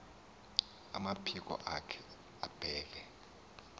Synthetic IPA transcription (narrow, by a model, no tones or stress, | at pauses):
a̰mapʰik̬ɔ̰ʔakʰɛ̥ | ab̥ʱɛːk̬ɛ